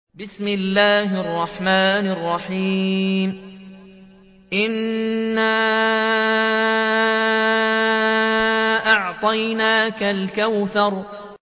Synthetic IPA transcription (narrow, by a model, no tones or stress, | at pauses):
bɪsmɪlːaːhʔɑrˤːɑħmaːnɑrˤːɑħiːm | ʔɪnːaː | ʔɑʕt̪ˤɑjnaːkalkawθɑɾˤ